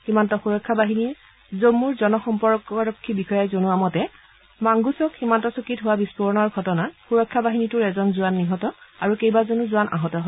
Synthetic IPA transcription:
ximantɔxuɹɔkʰːabaɦini | zomːuɹzɔnɔxɔmpɔɹkɔɹɔkʰːibixɔjajzonuamɔtɛ | maŋɡusɔkhimantɔsokitɦʊwabispɔɹɔnɔɹɡʱɔtɔnaxuɹɔkʰːabaɦinitʊɹɛzɔnzuanːiɦɔtɔaɹukejbazonuzuanʔa̰ɦɔtɔɦɔ

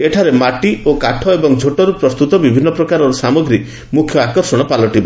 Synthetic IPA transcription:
eʈʰaɾemaʈiokaʈʰɔebɔŋd͡ʒʱoʈɔɾupɾɔst̪ut̪ɔbibʱinːɔpɾɔkaɾɔɾusamɔɡɾi | mukʰjɔakɔɾsɔɽ̃ɔpalɔʈiba

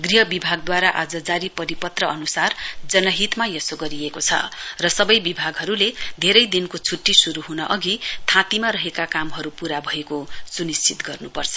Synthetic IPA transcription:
ɡriɦʌbibʱaɡ̚d̪waɾaʔad͡zʌd͡zaɾipʌɾipʌt̪rʌʌnusard͡zʌnʌɦit̪majʌsoɡʌɾiekot͡sʰʌ̰rʌsʌbʌjbibʱaɡɦʌɾuled̪ʱeɾʌjd̪inkot͡sʰuʈːisuɾuɦunʌʔʌɡit̪ʰãt̪imaɾʌɦekakamɦʌɾupuɾabʱʌekosunist͡sʰit̪ɡʌrnupʌrt͡sʰʌ̥

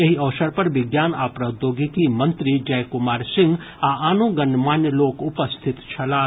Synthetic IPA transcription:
jɐɦiɐʋsəɾpɐɾʋɪɡjaːnaːpɾɐd̪joːɡikimɐ̃nt̪ɾid͡ʒɐjkʊmaːɾsɪ̃ŋɡ | aaːnoɡɐnmaːnjəloːkʊpəst̪ʰɪt̪t͡ʃʰɐlaː

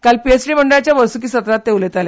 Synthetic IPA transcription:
kalpiesɖiːməɳɖəɭat͡ɕjaʋəɾsuk̬iːsət̪ɾat̪ːeʋlet̪ale

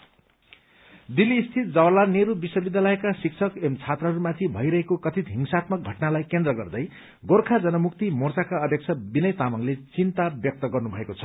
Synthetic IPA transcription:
d̪iliːst̪ʰit̪̚d͡zʌwlaneɾubiswʌbid̪jalʌekasikt͡sʰʌkemt͡sʰat̪rʌɦʌɾumat̪ʰibʱʌ̰jɾʌɦekokʌt̪ʰit̪ɦiŋsat̪mʌk̚ɡʱʌʈnalajkend̪rʌɡʌrd̪ʌj | ɡorkʰad͡zʌnʌmuk̚t̪imort͡sakaʌd̪ʱjek̚t͡sʰʌbinʌjt̪amʌŋlet͡sint̪abjʌk̚t̪ʌɡʌrnubʱʌekot͡sʰʌ̥

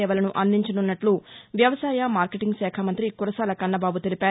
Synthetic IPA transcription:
ɛːʋɐlɐnuʔɐnd̪iɲt͡ʃɐnunːɐʈluʋjɐʋɐsaːjɐmaːɾkeʈiŋɡsɛːkʰɐmɐnt̪ɾikuɾɐsaːlɐkɐnːɐbaːbut̪elipaː

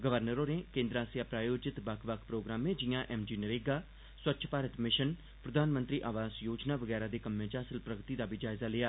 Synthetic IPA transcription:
ɡəʋəɾnəɾoːneːkẽːnd̪ɾaːsjaːpɾaːjoːd͡ʒɪt̪bəkʰʋəkʰpɾoːɡɾaːmẽːd͡ʒɪjãːʔɛːmd͡ʒiːnəɾeːɡaː | swətːʃʰpaːɾət̪mɪʃən | pɾəd̪aːnmə̃nt̪ɾiːʔaːʋaːzjoːd͡ʒnaːʋəɡɛːɾaːd̪eːkəmːẽːt͡ʃaːsəlpɾəɡt̪iːd̪aːbiːd͡ʒaːɪzaːlɪjaː

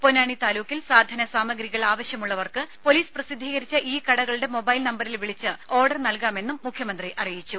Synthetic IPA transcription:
ponaːɳit̪aːluːkːilsaːd̪ʱɐnɐsaːmɐɡɾiɣɐɭaːʋɐɕjɐmuɭːɐʋɐrkɨpo̞liːsprɐsid̪ʱːiːɣɐɾit͡ɕːɐʔiːkɐɽɐɣɐɭuɽe̞mo̞bɐjlnɐmbɐɾilʋiɭit͡ɕːɨo̞ːrɖɐrnɐlkaːme̞nːumːukʰjɐmɐnd̪riʔɐrijit͡ɕːu

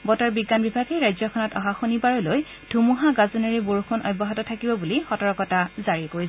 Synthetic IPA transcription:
bɔtaɹbiɡːanbibʱaɡejɹajzɔkʰɔnɔtɔɦaxonibaɹɔloj | d̥ʱumuɦaɡazoneɹiboɹukʰonɔ̰jbɔɦatɔtʰakibɔbulixɔtɔɹɔkɔtazaɹikoi

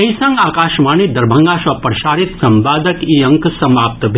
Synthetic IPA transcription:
ɐisɐ̃ŋɡaːkaːʃmaːnid̪ɐɾbʱɐ̃ŋɡaːʃɐpɾɐʃaːɾit̪sɐmbaːd̪əkiːɐ̃ŋksɐmaːp̚t̪bʱ

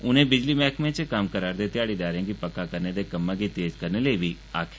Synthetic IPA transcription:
ʊnẽːbɪd͡ʒliːmɛːkmẽt͡ʃkəmkəɾaːɾd̪eːt̪ɪjaːɽiːd̪aːɾãːɡipəkːaːkəɾneːd̪eːkəmːãːɡiːt̪eːzkəɾneːləiːbiː | a̰ːkʰː

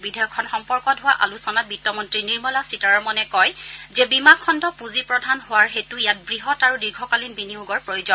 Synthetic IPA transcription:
bidʱajɔkʰːɔnxɔmpɔɹkɔtɦʊwaʔa̰lusɔnabitːɔmɔntɹiniɹmɔlasitaɹɔmɔnɛkɔjzɛbimakʰːɔndɔpuzipɹɔdʱanɦʊwaɹxetujat̚bɹiɦɔtaɹudiɡʱɔkalinbiniuɡɔɹpɹojʊzɔn

